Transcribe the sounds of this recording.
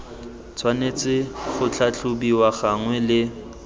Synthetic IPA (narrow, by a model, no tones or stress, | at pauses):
t͡sʰwanet͡sʼɪχʊt͡ɬʰat͡ɬʊbiwaχaŋwɛlɪ